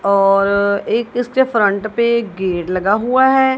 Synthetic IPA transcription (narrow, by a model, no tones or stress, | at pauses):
ɔːɾeːkɪskefɾə̃ɳʈpeɡeːɖlɐɡaɦuaɦɛː